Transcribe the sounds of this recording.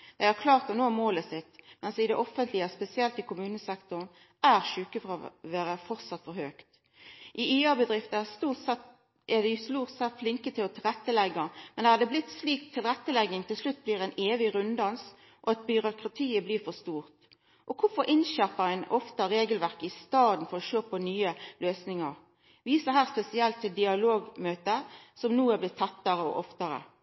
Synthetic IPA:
d̪̥ɛɪhɑʁkʰlɑːʁt̪ɔnoːmoːləsɪt̪ːmɛnsɪd̪ɛʔɔfənt̪ʰlɪəspɛsɪɛlt̪ɪkʰʊmʉːnəsɛkt̪ʊn | æɾʃʉːkəfɔɾɔʋæːɾəfɔʁt̪sɑt̪fɔɾhøːkt̪ | ʔɪiːɑbəd̪ɾɪft̪əæst̪uːs | ʔɛd̪ɛsluːʁt̪sɛt̪flɪŋkət̪ʰɪlɔt̪ʰɪlɾɛt̪ːəlɛɡːɑmɛnd̪ɛhɑd̪əblɪt̪ːsliːk̚t̪ʰːɪlʁɛt̪ːəlɛɡːɪŋt̪ʰɪlslʉt̪̚ːbliːɾɛɪneːʋɪɾʉnd̪ɑns | ʔɔɑt̪̚bʏɾʊkʁɑt̪ʰiːəbliːfɔst̪uːʁt̪ | ʔɔkʰʊfɔɾʔɪnʃæʁpədɛnɔft̪əɾeːɡəlʋæʁkəɪst̪ɑːd̪n̩fɔʁɔʃøːpʰɔnyːəløːsnɪŋɑʁ | ʋiːsəɦæːʁspɛsɪɛlt̪ʰːɪld̪ɪɑloːɡmøːt̪əsɔmnuːæblɪtt̪ʰɑt̪ːɑɾəɔ̰ʔɔft̪ɑɾə̰

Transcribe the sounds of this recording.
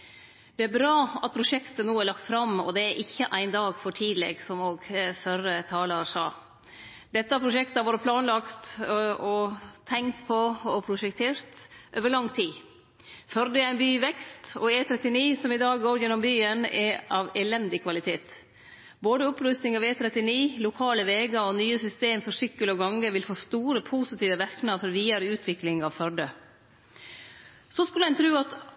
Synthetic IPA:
d̪ɛæɾbɾɑːɑt̪̚pʰɾʊʂɛkt̪ənuːæɾɭɑkt̪fɾɑmɔ̰d̪ɛæɾʔɪçːəʔæɪnd̪ɑːɡfɔʈʰiːd̪lɛ̰ɡsɔmoːɡfœɾət̪ʰɑːlɑʂɑ̰ː | d̪̥ɛt̪ːəæpʰɾʊʃɛkt̪əɑʋoːɾəpʰlɑːnlɑkt̪ɔt̪ʰɛŋt̪pʰɔɔpʰɾʊʃɛkt̪ʰeːɾt̪ʔøːʋəɭɑŋt̪ʰiː | fœɾd̪əæɪnbyːʋɛkst̪ɔ̰eːt̪ʰɾɛt̪ːɪniːsɔmɪd̪ɑːɡɡoːɾjɛnːɔmbyːənɛʔɑʋɛlɛnd̪ɪkʰʋɑlɪt̪ʰeːt̪ | boːd̪əʊpɾʉst̪nɪŋɑʋeːt̪ʰɾɛt̪ːɪniːlʊkʰɑːləʋeːɡɑɾɔnyːəsʏst̪eːmfɔʂʏkːəlɔɡɑŋːəʋɪlfoːst̪uːɾəpʰusɪt̪iːʋəʋæɾknɑfɔɾʋiːɑɾəʉːt̪ʰʋɪklɪŋɑʋfœɾɖə | sɔskʉləæɪnt̪ʰɾʉːɑt̪

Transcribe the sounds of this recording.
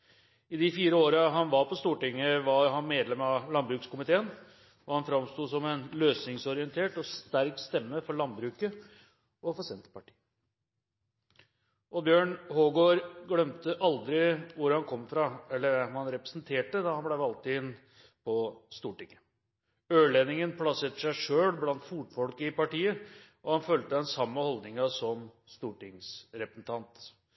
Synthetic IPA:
ɪd̪ɪfiːɾəoːɾəɦɑnʋɑɾpʰɔst̪uːʈɪŋːəʋɑɾɦɑnmeːd̪lɛmɑlɑnbɾʉːkskʊmɪt̪ʰeːən | ɔhɑnfɾɑmst̪uːd̪sɔmɛnløːsnɪŋsɔɾɪənt̪ʰeːʈɔst̪æɾkst̪ɛmːəfɔɭɑnbɾʉːkə | ʔɔfɑsɪɛnt̪ə̥pʰɑʈʰi̥ː | ʔɔbjøːɳhoːɡoɾɡɽœmt̪əʔɑld̪ɾɪʋʊɾhɑnkʰɔmːfɾɑɛlːəɾhɑnɾɛpɾəsnt̪ʰeːʈəd̪ɑhɑnblæɪʋɑlt̪ɪɪn | pʰɔst̪uːʈɪŋə | øːɭenɪŋənpʰlɑseːt̪əʂæɪʂøːɽblɑnt̪fuːʈfɔlkəɪpɑʈiːəʔɔhɑnfœlt̪əd̪ɛnsɑmːəhɔld̪nɪŋɑsɔm | st̪uːʈɪŋsɾɛpɾəsn̩t̪ʰɑnt̪

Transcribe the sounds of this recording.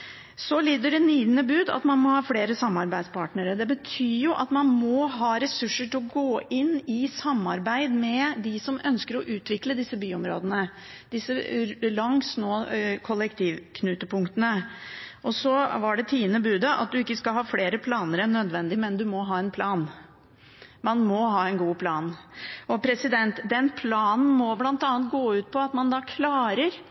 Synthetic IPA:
sɔliːd̪əɖɛniːd̪nəbʉːd̪ɑ̰t̪mɑnmɔhɑːfleːɾəsɑmːɑɾbæɪd̪spʰɑːʈnəɾəd̪ɛbət̪ʰyːjʊʔɑt̪mɑnmɔɦɑːɾɛsʉʂːəʈɪlɔɡoːɪnːɪsɑmːɑɾbæɪd̪mɛd̪ɪsɔmœnskəɾɔʔʉːt̪ʋɪkləd̪ɪsːəbyːɔmɾo̰ːd̪ənə | d̪̥ɪsːəlɑŋsnoːkʰɔlɛkt̪ʰiːʋkʰnʉːt̪əpʊŋkt̪ənəʔɔsɔʋɑɖɛt̪ʰiːənəbʉːd̪əʔɑ̰t̪̚d̪ʉɪkːəskɑlɦɑːfleːɾəpʰlɑːnəɾɛnːœd̪ʋɛnd̪ɪmɛnd̪ʉmɔɦɑːɛnpʰlɑːn | mɑnmɔɦɑːɛnɡuːpʰlɑːnɔpʰɾɛsɪd̪ɛnt̪d̪ɛnpʰlɑːnn̩mɔblɑnt̪ɑːnət̪̚ɡoːʉːt̪̚pʰɔɑt̪mɑnd̪ɑːkʰlɑːɾəɾ

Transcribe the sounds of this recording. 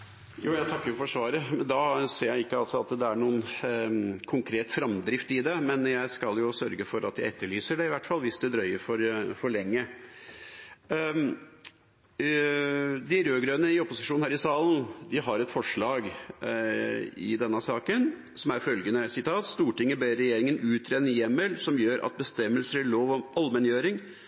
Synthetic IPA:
juːjæɪt̪ʰɑkːəɾʊfɔʂʋɑːɾəmɛnd̪ɑseːɾjæɪɪkːəɑlsɔɑt̪d̪ɛæɳuːən | kʰʊŋkʰɾeːt̪fɾɑmd̪ɾɪft̪ɪd̪ɛmɛnjæɪskɑljʊsœɾɡəfɔɾɑt̪jæ̰ɪɛt̪ːəɭyːsəɖɛɪʋæʈːfɑlːʋɪsd̪ɛd̪ɾœʏəɾfɔɾfɔɭɛŋːə | d̪ɪɾøːɡɾøːnəɪɔpʊsɪʂuːnhæːɾɪsɑːln̩d̪ɪɦɑɾɛt̪fɔʂɭɑːɡ | ɪ̰d̪ɛnːəsɑːkən | sɔmæɾfœlɡənəsɪt̪ʰɑːt̪st̪uːʈɪŋːəbeːɾːɛjeːɾɪŋənʉːt̪ʰɾeːnːəjɛmːəlsɔmjøːɾʔɑ̰t̪̚bəst̪ɛmːəlsəɾæɭoːʋɔmɑlmɛnjøːɾɪŋ

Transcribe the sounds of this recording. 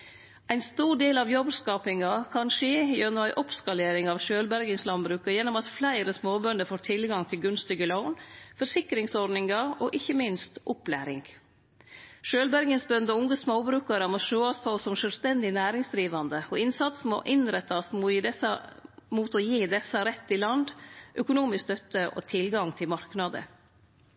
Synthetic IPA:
ʔæɪnst̪uːɖeːlɑʋjɔbskɑːpɪŋɑkʰɑnʂeːjøːɾnoːæɪʔɔpskɑleːɾɪŋɑʋʃøːlbæɾɡənslɑnbɾʉːkɑjɛnɔmɑt̪flæɪɾəsmoːbœnəɾfoːʈʰɪlɡɑŋt̪ʰɪlɡʉnst̪ɪɡəlaʊnfɔʂɪkɾɪŋsɔɾɖnɪŋɑɔʔɪçːəmɪnst̪ʔɔplæ̰ːɾɪ̰ŋ | ʃøːlbæɾɡənsbœnd̪ɔʊŋəsmoːbɾʉːkɑɾəmɔʃøːɑspʰɔsɔmʃœlst̪ɛnd̪ɪnæːɾɪŋsd̪ɾiːʋɑnd̪əɔɪnsɑt̪smɔ̰ʔɪnɾɛt̪ːɑsmujid̪ɛsɑmuːt̪ɔjiːd̪ɛsːɑɾɛt̪ːɪlɑnd̪ʔœkʊnuːmɪskst̪œt̪ːəʔɔ̰t̪ʰɪlɡɑŋt̪ʰɪlmɑɾknɑd̪ə̰

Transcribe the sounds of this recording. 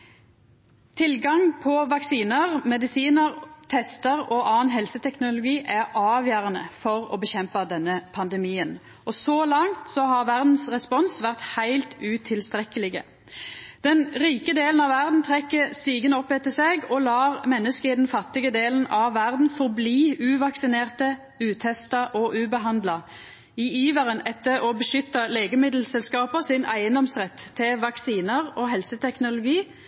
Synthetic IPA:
t̪ʰɪlɡɑŋpʰɔʋɑksiːnəʁmɛd̪ɪsiːnəʁt̪ʰɛst̪əʁɔʔɑːnɦɛlsət̪ʰɛknʊlʊɡiːʔæʁɑːʋjæʁənəfɔʁɔ̰bəçɛmpɑd̪ɛnːəpʰɑnd̪ɛmiːən | ʔɔsoːlɑŋt̪sɔɦɑʁʋæʁd̪n̩sʁɛspɔnsʋæʁt̪hæɪlt̪ʉːt̪ʰɪlst̪ʁɛkəlɪɡə̰ | d̪̥ɛnʁiːkəd̪eːlənɑʋʋæʁd̪n̩t̪ʰʁɛkːəst̪iːɡənɔpːɛt̪ːəseːɡɔlɑːʁmɛnːəskəɪd̪ɛnfɑt̪ːɪɡəd̪eːlənʔɑʋːæʁd̪n̩fɔʁbliːʉːʋɑksɪneːʁt̪ə | ʉːt̪ʰɛst̪ɑʔɔʔʉːbəɦɑnd̪lɑ | ɪiːʋəʁənɛt̪ːəʁɔbəʃʏt̪ːɑleːɡəmɪd̪l̩sɛlskɑːpəsɪnæ̰ɪənd̪ɔmsʁɛt̪ʰːɪlʋɑksiːnəʁɔːɦɛlsət̪ʰɛknʊlʊɡiː

